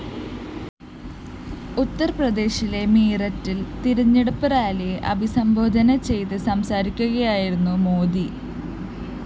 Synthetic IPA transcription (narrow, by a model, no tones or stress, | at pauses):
ut̪ːɐrprɐd̪e̞ːɕile̞miːrɐtːilt̪iɾɐɲːeɽupːɐɾaːliʔɐbʱisɐmbʱo̞ːd̪ʱɐnɐt͡ɕe̞jt̪ɨsɐmsaːɾikʲːuɣɐjaːjiɾunːumo̞ːd̪i